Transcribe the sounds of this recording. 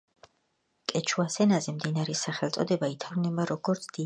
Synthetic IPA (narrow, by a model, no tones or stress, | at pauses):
kʼɛt͡ʃʰuasɛnazɛmd̪inaɾɛsaχɛlˠt̪sʼɔd̪ɛbait̪ʰaɾnɛbaɾɔɡɔɾt̪sʰd̪̥i